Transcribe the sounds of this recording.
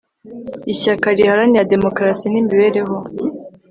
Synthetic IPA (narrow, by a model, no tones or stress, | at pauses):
içakaɾihaɾanijade̞mo̞kɾasinimiβe̞ːɾe̞ɦo̞